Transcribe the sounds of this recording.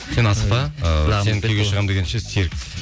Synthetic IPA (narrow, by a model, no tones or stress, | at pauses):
se̞nɑsfɑenkʲʰeɡʲeʃəʁɑmd̪e̞ɡʲenʃeseɾk